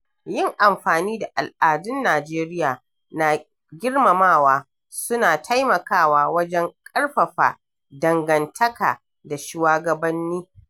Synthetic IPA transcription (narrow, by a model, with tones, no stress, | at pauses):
jɪ˦ŋʔa˨mɸaː˨niː˦da˨ʔa˨lʔaː˨dʊ˦nːaː˨d͡ʒeː˦ɾɪ˦jaː˨ | na˨ | ɡʲɪ˦rmɐ˨maː˦˨waː˦ | sʊ˦naː˨tʰa˦jmɐ˨kaː˦˨waː˦wɐ˦d͡ʒɛ˦ŋkʼɐ˦ɽɸɐ˨ɸa̰ː˨ | dɐ˨ŋɡɐ˨ntʰɐ˦ka̰ː˨ | da˨ʃɪ˦waː˦ɡɐ˨bɐ˦nːiː˦